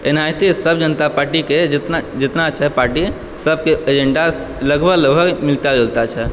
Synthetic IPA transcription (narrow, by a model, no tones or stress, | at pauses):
enajt̪isəbʱd͡ʒənət̪apaɾʈiked͡ʒt̪nad͡ʒɪt̪nat͡ʃʰɛpaɾʈi | səbʱkeed͡ʒeɳɖa | ləɡbʱəɡləɡbʱəɡmilt̪ad̪elt̪at͡ʃʰɛ